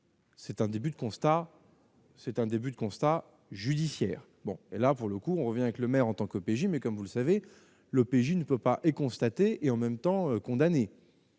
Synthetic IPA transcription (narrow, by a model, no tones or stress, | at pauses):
sɛt̪ɛ̃d̪ebyd̪əkɔ̃st̪a | sɛt̪ɛ̃d̪ebyd̪əkɔ̃st̪a | ʒyd̪isjɛ̰ːʁ | bɔ̰̃elapuʁləkuɔ̃ʁəvjɛ̃avɛkləmɛʁɑ̃t̪ɑ̃kopeʒimɛkɔmvuləsave | lopeʒinəpøpaʔekɔ̃st̪at̪eʔeɑ̃mɛmt̪ɑ̃økɔ̃d̪ane